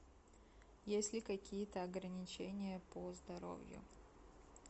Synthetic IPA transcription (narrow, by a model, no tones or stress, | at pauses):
jesʲlʲɪkɐkʲijət̪əɐɡɾənʲɪt͡ɕenʲɪjəpozd̪ɐɾo̰vʲjʊ̰